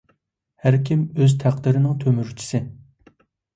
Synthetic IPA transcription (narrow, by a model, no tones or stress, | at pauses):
hæɾkʲʰimøzt̪ʰæq̚d̪ɪɾɪnɪŋt̪ʰømyɾt͡ʃʰi̥sɪ